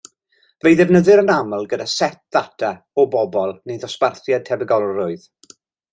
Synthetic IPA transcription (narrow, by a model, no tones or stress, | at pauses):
vejðɛvnəðɨɾənaməlˠɡədasɛp̚ð̥atʰa | ɔbɔbɔlˠnejðɔsparθjad̚tʰɛbɛɡɔlˠrʊɨð̥